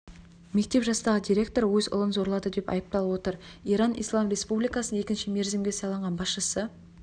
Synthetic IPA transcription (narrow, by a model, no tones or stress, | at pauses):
me̞k̚t̪e̞pʒɑst̪ɑʁəd̪iɾʲe̞k̚t̪o̞ɾwɵzʊ̰lˠənzo̞ɾlˠɑd̪əd̪e̞pɑ̰jəp̚t̪ɑlˠəwo̞t̪əɾijɾɑnʔḭjslˠɑmɾe̞spublijkɑsəne̞kʲɪnʃɪme̞ɾzɪmɡʲesɑlˠɑɴʁɑnbɑsʃəsə